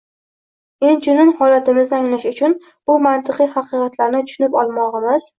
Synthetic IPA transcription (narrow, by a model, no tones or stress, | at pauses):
ent͡ʃʊnɪŋhɒlat̪ɪmɪzɪaŋlaʃʊt͡ʃʰʊn | b̥ʊmant̪ʰɨqɨjhɑqɨqɑt̪laɾnɪt̪ʰʊ̥ʃʊnɪpɒlˠmɒʁɨmɪz̥